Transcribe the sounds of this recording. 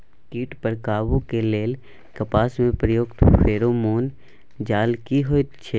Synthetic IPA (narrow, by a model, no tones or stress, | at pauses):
kiːʈpəɾkaːʋukeleːl | kəpaːsmẽpɾəjoːkt̪fʰeːɾomoːn | d͡ʒaːlkiɦoːtt͡ʃʰe